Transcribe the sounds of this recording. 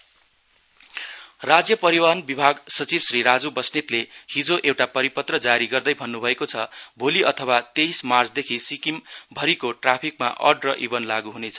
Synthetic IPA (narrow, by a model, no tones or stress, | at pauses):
rad͡zjʌpʌɾiwanbibʱaɡsʌt͡sibsɾiɾad͡zubʌsnit̪lehid͡zoʔewʈapʌɾipʌt̪rʌd͡zaɾiɡʌrd̪ʌjbʱʌnːubʱʌekot͡sʰʌbʱoliʔʌt̪ʰʌwat̪ejsmart͡sʰd̪ekʰisikimbʱʌɾikoʈrapʰik̚ma̰ʔʌ̰ɖrʌʔibʌnlaɡuɦunet͡sʰʌ